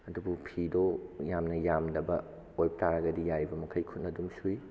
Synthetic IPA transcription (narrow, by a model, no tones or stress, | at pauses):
ɐdubupʰidojamnɐjamdɐbɐ | ojp̚taɾɐɡɐdijajbɐmɐkʰɐjkʰut̚nɐdumsui